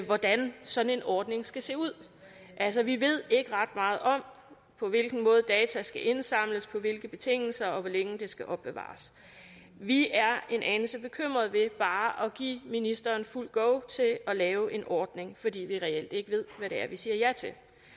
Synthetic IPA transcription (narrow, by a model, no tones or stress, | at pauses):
ʋɒd̥ænsɒ̽n̩e̝nɒːd̥ne̝ŋsɡ̥æse̝̰ːuð̞̰ˠ | ʔæls̬ɒ̽ʋiʋe̝ð̞̰ˠe̝ɡ̥əʁɑ̈d̥mɑ̈ːð̞̩ˠɒ̽m̰ | pʰɒ̽ʋe̝lɡ̥n̩mɔ̽ːð̞ˠd̥ɛːt͡sʰæsɡ̥æʔe̝nsɑ̈m̰ləspʰɒ̽ʋe̝lɡ̥əb̥e̝t͡sʰe̝ŋ̰l̩sɐɒ̽ʋɒleŋəd̥e̝sɡ̥æʔɒ̽b̥e̝ʋɑ̰̈ːs | ʋiæɐe̝nʔɛnəsəb̥e̝kʰøm̰ʁɐðˠʋe̝b̥ɑ̈ːʔɒ̽ɡ̥ḭːminisd̥ɐːnful̰ɡ̥ɔʊ̰t͡sʰe̝ɒ̽lɛːʊʔe̝nʔɒːd̥ne̝ŋfɒ̽d̥ḭːʋiʁɛel̰d̥e̝ɡ̥əʋe̝ð̞̰ˠʋæɾe̝æɐʋisiːɐjɑt͡sʰe̝l